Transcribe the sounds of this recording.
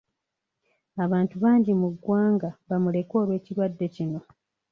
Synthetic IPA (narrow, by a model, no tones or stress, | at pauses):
aβaːntuβaːɲɟimuɡːwaːŋɡaβamule̞ko̞ːlwe̞ːciɾwadːe̞cino̞